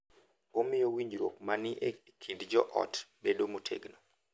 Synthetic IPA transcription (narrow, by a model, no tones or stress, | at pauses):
omɪjowiɲd͡ʒɾok̚manɪʔe | kʰidd͡ʒɔʔɔ̰tbedomutʰḛɡnɔ